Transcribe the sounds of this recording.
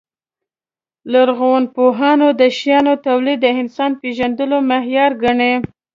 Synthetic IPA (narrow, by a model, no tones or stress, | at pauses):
laɾɣowanpoɦɑnod̪əʃjɑnot̪awlid̪ːəɪnsɑnpeʒand̪əlomaɦjɑɾɡaɳe